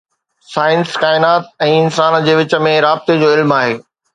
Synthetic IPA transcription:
saːɪnskaːɪnaːt̪̚ɛ̃ːɪnsaːnd͡ʑeːʋɪt͡ɕə̆mẽɾaːb̚t̪ed͡ʑoːɪlmaːɦeː

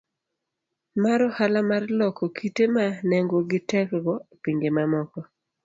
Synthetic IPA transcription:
maɾɔhalamarlɔkokʰitemanɛŋɡoɡɪtɛkɡɔpiŋɡemamɔkɔ

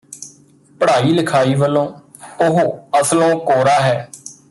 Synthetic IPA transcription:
pəɽaːiːləkʰaːiːʋəlːõː | ʊɦoːəslõːkoːɾaːɦɛː

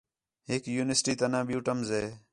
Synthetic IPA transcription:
ɦekjuːnəsʈiːt̪ənãːbjuːʈəmzeː

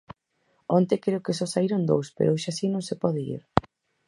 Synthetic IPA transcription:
ɔnt̪ekɾeokesɔsaiɾond̪o̰wspḛɾoʃasinõŋsepɔðeḭɾ

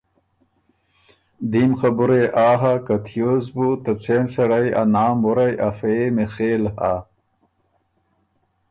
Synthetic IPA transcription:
d̪imxɐbuɾeʔaːɦakɐt̪ʰijozbut̪ɐt͡sensɐɽɐja̰naːmbuɾɐjʔafemexeːlha

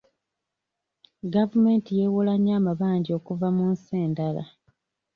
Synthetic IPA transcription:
ɡavume̞ːntijewolaɲːaːmaβaːɲɟio̞ːkuvamunseːndala̰

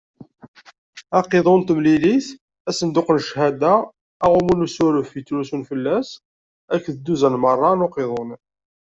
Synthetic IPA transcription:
ɑqeðˤʊnt̪əmliliθ | æsənd̪ʊqnʃhæd̪aː | ʁumunusæɾufit̪ːlusunfəlːæs | ækːðəd̪ːuzænmərˤːɑnʊqeðˤʊn

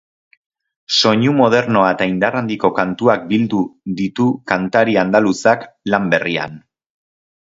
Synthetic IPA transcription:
so̞ɲumo̞ð̞e̞ɾno̞aet̪aind̪arand̪iko̞kant̪uak̚bild̪uðit̪ukant̪aɾiand̪alusaklambe̞ria̰n

